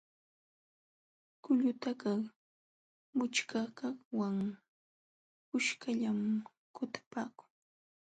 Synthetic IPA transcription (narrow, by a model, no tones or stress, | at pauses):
kʊʎʊt̪akɑ | mʊt͡ʃkakɑχwaŋ | ʊʃkaʎam | kʊt̪ḁpaːkʊ̥ŋ